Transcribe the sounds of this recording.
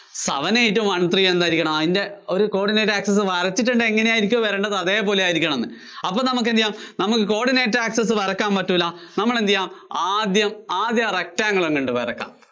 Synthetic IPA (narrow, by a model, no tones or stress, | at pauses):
sɐ̰ʋɐneːjtːumʋɐɳt̪rijɐmend̪aːiɾikʲːɐɳɐmɐðinde̞o̞ɾuko̞ːɽineːtːaːksɐs̬ːɨʋɐɾɐt͡ɕːiʈ̬ːuɳɖɨeŋːɐnejaːjiɾik̬ʲːuɐʋɐɾeːɳɖɐðɐðe̞ːpo̞ːlejaːjiɾikʲːɐɳɐmenːɨ̰ | ɐpːoːnɐmuk̬ːend̪jaːmnɐmukːɨko̞ːɖineːtːaːksɐs̬ɨʋɐɾɐkːaːmpɐtːumilːɐnɐmːɐɭend̪ijːaːmaːd̪jɐmaːd̪jɐrek̚taːŋːɐɭeŋːɐɳɖɨpɐɾɐkːa̰ːm